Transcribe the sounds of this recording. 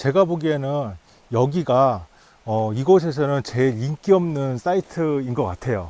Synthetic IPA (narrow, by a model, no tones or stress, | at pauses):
t͡ɕe̞ɡaboɡienɯn | jʌɡiɡa | ʌiɡʌs̬ʰe̞s̬ʰʌnɯnt͡ɕe̞ɾiŋk͈iʌmnɯns͈aitʰɯinɡʌk͈atʰe̞jo̰